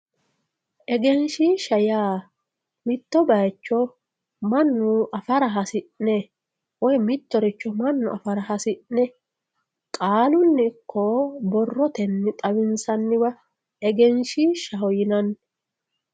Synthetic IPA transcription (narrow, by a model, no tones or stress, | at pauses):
ʔɛɡɛnʃiʃɐjaː | mɪt̪ːɔbɐjt͡ʃːɔ | mɐnːʊɐfɐɾɐɦɐsɪʔnɛ | wɔjmɪt̪ːɔɾɪt͡ʃːɔmɐnːʊʔɐfɐɾɐɦɐsɪʔnɛ | kʼaːlʊnːɪkʰːɔbɔrːɔt̪ɛnːɪt̪ʼɐwɪnsɐnːɪwɐ | ɛɡɛnʃiːʃɐhɔjɪnɐnː